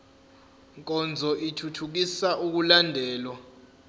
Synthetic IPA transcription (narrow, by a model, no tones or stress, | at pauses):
ŋkʼɔnd͡zʱɔʔitʰutʰuk̬isaʔuk̬ulandʱɛːlwa